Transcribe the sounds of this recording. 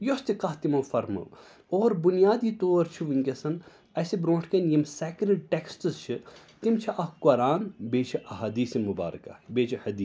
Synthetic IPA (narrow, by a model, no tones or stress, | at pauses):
jost̪ikɐɦt̪imɐwfɐɾmɐ̰ | oːɾbunijaːd̪iːt̪oːɾt͡ʃʰiʋiŋkʲɐsɐn | ɐsibɾõːʈʰkɐnjimseːkɾeɖʈeksʈɨzt͡ʃʰit̪imt͡ʃʰiʔɐhkoɾaːnbeːt͡ʃʰiʔɐɦaːd̪iːsemuba̰ːɾka̰beːt͡ʃʰihɐd̪iː